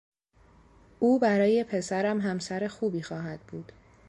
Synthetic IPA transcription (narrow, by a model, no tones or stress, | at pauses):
ʔuːbæɾɒːje̞pʰe̞sæɾæmɦæmsæɾe̞xuːbiːxɒːɦæd̪̥̚buːd̪̥